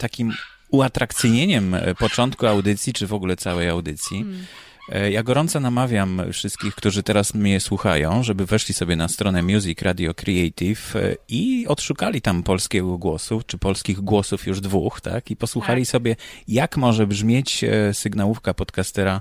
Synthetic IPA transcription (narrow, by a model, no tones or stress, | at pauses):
t̪akʲim | uat̪ɾakt̪sɘjɲeɲɛmpɔt͡ʂɔnt̪̚kuawd̪ɘt̪sʲjit͡ʂɘvɔɡulɛt̪sawɛjawd̪ɘt̪sʲji | jaɡɔɾɔnt̪sɔnamavʲjamfʂɘst̪kʲixkt̪uʐɘt̪ɛɾasmɲɛswuxajɔ̃w̃ʐɛbɘvɛʂlʲisɔbʲjɛnast̪ɾɔnɛmʲjuzʲikɾʔad̪ʲjɔkɾɛɛjt̪ifiɔt̪ʂukalʲit̪ampɔlskʲɛɡɔɡwɔsuft͡ʂɘpɔlskʲiɣɡwɔsufjuʐd̪vuxt̪a̰kipɔswuxalʲisɔbʲjɛjakmɔʐɛbʐmʲjet͡ɕsɘɡnawufkapɔt̪kast̪ɛɾa